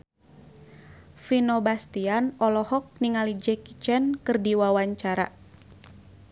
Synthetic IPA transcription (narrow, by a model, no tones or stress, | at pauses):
finɔbast̪ianɔlɔhɔk̚niŋalid͡ʒɛki̥t͡ʃɛnkɨrdiwawaɲt͡ʃaɾa̰